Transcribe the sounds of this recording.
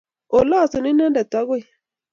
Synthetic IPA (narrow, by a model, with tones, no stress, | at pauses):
o˨lɔ˦˨su˨ni˦na˦nda˨ta˦ɡo˦i˨